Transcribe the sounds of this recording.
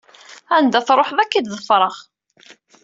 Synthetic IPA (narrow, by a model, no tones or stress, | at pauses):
ænd̪æθɾˤoħðækːid̪ðəfɾˤəʁ